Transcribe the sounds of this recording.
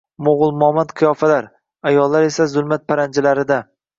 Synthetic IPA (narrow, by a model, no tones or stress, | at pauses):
moʁʊlˠmɒmat̪qʰɨjɒfalaɾ | ajɒlːaɾe̞sazʊlˠmat̪̚pʰaɾand͡ʒalaɾɪd̪a